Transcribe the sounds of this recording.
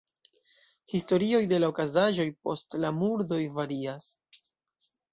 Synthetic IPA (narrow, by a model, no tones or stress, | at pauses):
histo̞ɾio̞jde̞laokazaʒo̞jpo̞stlamuɾdo̞jvaɾias